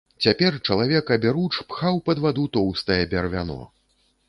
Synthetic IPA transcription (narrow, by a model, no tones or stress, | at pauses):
t͡sʲapʲɛrt͡ʂɐlˠavʲɛkɐbʲaɾut͡ʂpxawpɐd̪vad̪ut̪ɔwst̪ɐjɛbʲɛrvʲa̰nɔ̰